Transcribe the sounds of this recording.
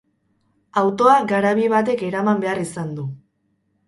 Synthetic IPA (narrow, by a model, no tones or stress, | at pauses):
awt̪o̞aɡaɾaβiβat̪̬e̞ke̞ɾamambe̞arisand̪u